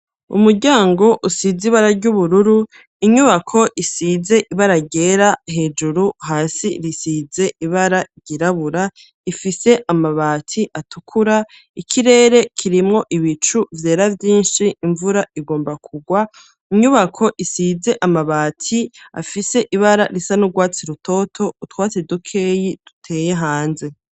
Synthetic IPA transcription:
ṵmuɾɟaːŋɡo̞ʔusiziβaɾaɾɟuβuɾuɾu | iɲuβakʰo̞ʔisize̞ʔiβaɾaɟe̞ːɾaɦe̞ːd͡ʒuɾuɦaːsiɾisize̞ʔiβaɾaɾɟiɾaβuɾa | ifise̞ʔamaβaːtʰiʔatukʰuɾa | ikʰiɾe̞ːɾe̞kʰiɾimŋo̞ʔiβit͡ʃuvje̞ːɾavjiːnʃiːɱvuɾaʔiɡo̞ːmbakʰuɡwa | iɲuβakʰo̞ʔisize̞ʔamaβaːtʰia̰fise̞ʔiβaɾaɾisanuɡwaːt͡siɾutʰo̞ːtʰo̞utwaːt͡sidukʰe̞ːjid̥u̥tʰe̞ːjeɦaːnze̞

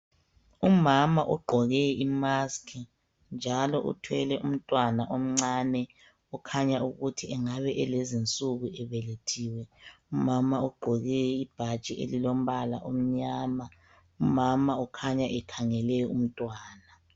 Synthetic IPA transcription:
umamaʔuɡ͡ǃʱɔɣɛimaskʰi | nd͡ʒʱalɔʔṵtʰwɛlɛʔum̩tʼwanaʔom̩ŋ͡ǀaːnɛ | ukʰaɲauɣutʰiɛŋaβɛʔɛlezint͡sʼuɣuɛβɛletʰiːwɛ | umamauɡ͡ǃʱɔɣɛib̥ʱat͡ʃʼiʔḛlilom̩βala̰ʔom̩ɲaːma | umamaukʰaɲaʔɛkʰaŋɛlɛjɔum̩tʼwaːna

